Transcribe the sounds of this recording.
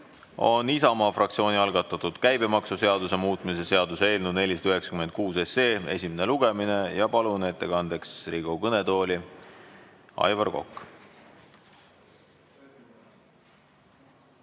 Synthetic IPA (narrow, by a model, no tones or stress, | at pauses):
o̞̰nisɑmɑːfrɑk̚t̪sio̞ːniɑlɡ̥ɑt̪ːˑɑt̪ud̪̥kæjbe̞mɑksuse̞ɑd̪use̞muːt̪ˑmise̞se̞ɑd̪usee̞ːlnud̪ne̞lʲisɑd̪̥yɦe̞ksɑ̥kyme̞nd̪̚kuːse̞se̞ːe̞̰sʲimene̞luɡ̥e̞mine̞jɑpɑlunet̪ːˑekɑnd̪̥eksriɡokɤne̞d̪o̞ːlʲi | ɑ̰jvɑrɡo̞̰kːˑ